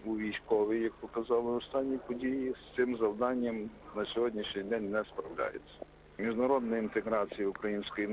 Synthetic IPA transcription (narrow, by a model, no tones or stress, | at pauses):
uʋʲijsʲkɔʋijɐk̚pɔkɐzɑlˠɪɔst̪ɑnʲːipɔdʲijist̪sɪmzɐwd̪ɑnʲːɐmnɐsʲɔɦɔdʲnʲiʃnʲɪjd̪ɛnʲnɛspɾɐwlʲɑ̰jḛt͡sʲːɐ̥ | mʲiʒnɐɾɔd̪nɐint̪eɦɾɑt͡sʲijɐʊkɾɐjinʲsʲkɔji